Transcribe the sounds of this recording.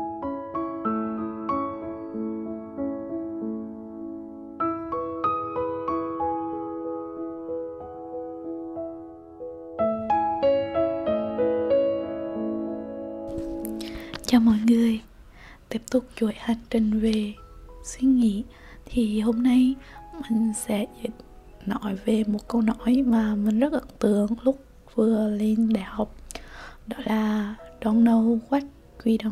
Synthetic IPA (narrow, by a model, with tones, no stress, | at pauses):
t͡ɕɔ˨˩mɔ̰˧˨jŋɨ˨˩əj | t̪i˦˥əp̚t̪ʊ˨˩k͡p̚t͡ɕu˧˩ə˨jha˨˩jŋ̟t͡ɕï˨˩ŋ̟ve˨˩swi˧ŋḭ˧˥ | t̪ʰi˨˩ɦo˧mna˧jmï˨˩ŋ̟sɛ̰˧˥zḭ˨˦t̚ | nɔ˧˨˦jve˨˩mo˨˩t̚kə˧wnɔ˧˥˦jmaː˨˩mï˨˩ŋ̟zə˦˥t̚ʔə̰˧˨˦nt̪ɨ̰˧˨əŋlʊ˦˥k͡p̚ | vɨ˨˩əle˧nɗa̰ː˧˨jha˨˩wk͡p̚ɗɔ˨˦laː˨˩ɗɔ˧nlə˧wkwa˦˥k̚ | kwi˧ɗə˧˨